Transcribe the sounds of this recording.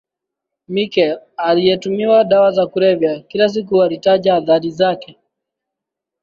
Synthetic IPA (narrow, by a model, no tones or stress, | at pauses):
mikɛlalijɛtumiwaɗawazakuɾɛvjakilas̬ik̬uwalitaʄaːðaɾizakɛ